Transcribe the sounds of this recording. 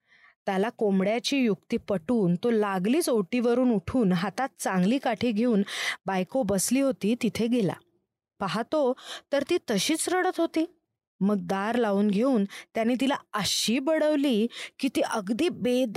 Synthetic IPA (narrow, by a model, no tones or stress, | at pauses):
t̪jalakomɽjat͡ɕiːjuk̚t̪iːpəʈuːnt̪olaɡliːt͡sowʈiːʋəɾuːnuʈʰuːnɦat̪at̪̚t͡saŋɡliːkaʈʰiːɡʱeuːnbajkobəsliːɦot̪iːt̪it̪ʰeɡela̰ | paɦat̪ot̪əɾt̪iːt̪əɕiːt͡sɾəɽət̪ɦot̪iː | məɡ̚d̪aɾlauːnɡʱeuːnt̪janːiːt̪̬ilaəɕiːbəɽəʋliːkit̪iːʔəɡd̪iːbed̪